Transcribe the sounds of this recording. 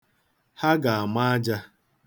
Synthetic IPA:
ha˦ɡa˨a˨ma˦a˦d͡ʒa˦

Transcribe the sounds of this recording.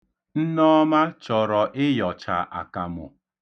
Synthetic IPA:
n̩˦nɔ˦ma˦t͡ʃɔ˨ɾɔ˨ʔɪ˦jɔ˨t͡ʃa̰˨ʔa̰˨ka˨mʊ̰˨

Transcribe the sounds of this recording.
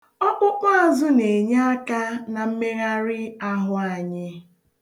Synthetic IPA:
ɔ˦k͡pʊ˦k͡pʊ˦a˨zʊ˦ne˨ɲa˦a˦ka˦na˨m̩˦me˦ɣa˦ɾɪ˦a˦ɦʊ˦a˨ɲɪ˦

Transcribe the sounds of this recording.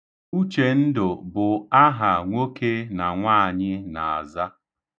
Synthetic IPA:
u˦t͡ʃe˨n̩˦dʊ˨bʊ˨a˦ɦa˨ŋʷo˦kʰe˦na˨ŋʷaː˦a˨ɲɪ˦na˨a˨za˦

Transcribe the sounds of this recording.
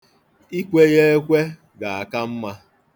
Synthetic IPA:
i˦kʷe˦ɣe˦e˦kʷe˦ | ɡa˨a˨ka˦m̩˦ma˦

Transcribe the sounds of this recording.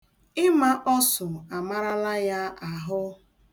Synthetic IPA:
ɪ˦ma˦ʔɔ˦sʊ˨a˨ma˦ɾa˦la˦ja˦a˨ɦʊ˦

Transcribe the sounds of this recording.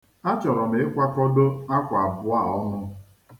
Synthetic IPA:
a˦t͡ʃɔ˨ɾɔ˨m̩e˨˦e˦kʷa˦kɔ˦do˦a˦kʷa˨a˨bʊ˦a˦˨ɔ˦nʊ˦

